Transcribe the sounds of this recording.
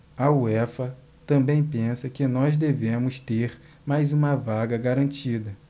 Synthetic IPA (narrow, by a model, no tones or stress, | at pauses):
ɐuɛfɐ | t̪ɐ̃mbẽj̃pẽsɐkɪnɔzd̪evẽmʊst̪eɾ | majzũmɐvaɡɐɡaɾɐ̃t͡ʃid̪ɐ